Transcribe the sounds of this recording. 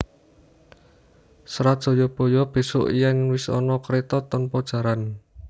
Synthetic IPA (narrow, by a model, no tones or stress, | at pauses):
sɾad̥ʒ̥o̤jɔb̥o̤jɔb̥e̤sʊ̰ʔijaŋwɪsɔ̰nɔkɾet̪ɔt̪ɔnpɔd̥ʒ̥a̤ɾan